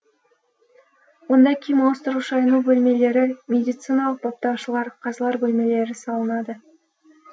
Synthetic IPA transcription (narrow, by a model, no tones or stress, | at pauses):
wo̞nd̪ɑkʲʰijmost̪əɾʊʃɑjnubɵlme̞le̞ɾɪmʲe̞d̪ʲijt̪sɨnɑlˠəq̚pʰop̚t̪ɑwʃəlˠɑɾqʰɑzlˠɑɾbɵlme̞le̞ɾɪsɑlˠənɑd̪ə